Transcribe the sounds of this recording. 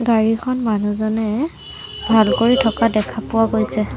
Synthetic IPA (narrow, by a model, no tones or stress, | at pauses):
ɡaɹikʰɔnmanuzɔnɛ | bʱalkoɹitʰɔkadɛkʰapʊwaɡojsɛ